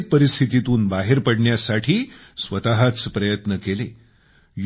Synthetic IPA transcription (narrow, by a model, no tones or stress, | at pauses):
t̪̚pəɾist̪ʰit̪it̪uːnbaɦeɾpəɽɳjasaʈʰiːsʋət̪aɦat͡spɾəjət̪nəkele | j